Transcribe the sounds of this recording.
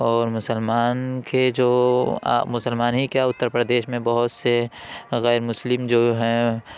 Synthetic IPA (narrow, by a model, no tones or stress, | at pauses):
ɔːɾmʊsəlmaːnked͡ʒo̰ː | mʊsəlmaːnɦikaʊt̪ːəɾpɾəd̪eːʃmẽbəɦʊt̪se | ɣɛːɾmʊslɪmd͡ʒoːɦɛ̃